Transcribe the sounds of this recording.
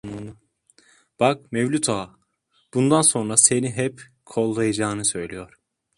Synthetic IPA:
b̥ak̚mevlʲut̪ʰaː | b̥und̪anso̞nɾase̞niɦɛp | kʰo̞lˠːajad͡ʒaːnɯsø̞jlʲijo̞ɾ̥

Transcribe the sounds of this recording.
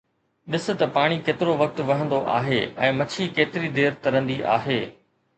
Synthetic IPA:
ɗɪsʊ̆t̪ɐpaːɽ̃ikeːt̪ɪɾoʋɐk̚t̪ʊʋɐɦə̃nd̪oʔa̰ːɦeːɛ̰̃ːmɐt͡ɕʰikeːt̪ɪɾid̪eːɾt̪ɐɾə̃nd̪iʔa̰ːɦeː

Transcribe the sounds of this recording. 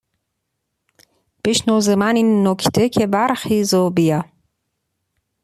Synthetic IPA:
b̥eʃnoːzemaninːokʰt̪ʰekʰebæɾxiːzobija

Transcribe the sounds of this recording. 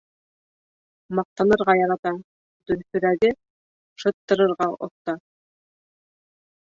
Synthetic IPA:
mɑq̚t̪ɑnɤ̆ɾʁɑjɑɾɑt̪ɑ | d̪ɵ̆ɾfɵ̆ɾæɡɘ | ʃɤ̆t̪ːɤ̆ɾɤ̆ɾʁɑʔŏ̰θt̪ɑ

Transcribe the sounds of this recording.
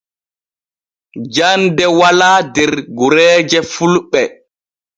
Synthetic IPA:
d͡ʒandɛwalaːdɛɾɡuɾɛːd͡ʒɛfulɓɛ

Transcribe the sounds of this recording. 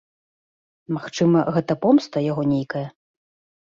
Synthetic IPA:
maxt͡ʂɨmɐɣɛt̪ɐpɔmst̪ɐjaɣɔnʲejkɐjɐ

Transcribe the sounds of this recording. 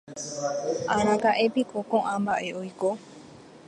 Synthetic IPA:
aɾakaʔe̞pikokõʔãmbaʔe̞ojko

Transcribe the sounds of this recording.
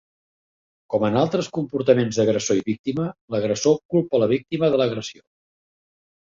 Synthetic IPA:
kɔmənalˠt̪ɾəskumpuɾt̪əmenzd̪əɣɾəsoiβik̚t̪imələɣɾəsokulˠpələβ̞ik̚t̪iməðələɣɾəsio

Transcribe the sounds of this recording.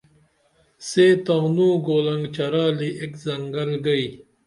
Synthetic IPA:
seːt̪ɐːnũːɡoːlɐŋɡt͡ɕɐɾaːliʔekzɐŋɡɐlɡɐi

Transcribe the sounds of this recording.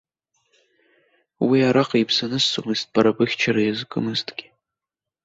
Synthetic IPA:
wiaɾaqʼaipʰsanɨsːomɨzt̚ʼbaɾabɨχʲt͡ʃʰaɾajazkʼɨ̰mɨztʼɡʲi̥

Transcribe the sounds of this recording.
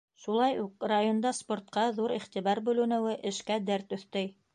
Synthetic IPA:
ʃulˠɑjuqrajond̪ɑspoɾt̪̚qɑðuɾiχt̪iβɑɾbʉlɘ̆nɘ̆wɘʔɘ̆ʃkæd̪æɾt̪ɵ̆θt̪ɘj

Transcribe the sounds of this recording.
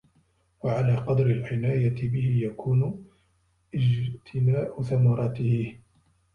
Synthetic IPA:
waʕalaːqɑd̪ɾɪlʕɪnaːjat̪ɪbɪhɪjakʰuːnʊ | ʔɪd͡ʒt̪ʰɪmaːʔʊθamɑɾˤɑːt̪ɪhɪ

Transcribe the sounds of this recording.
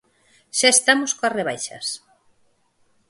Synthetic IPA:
ʃaest̪amoskoareβajʃɐ̰s

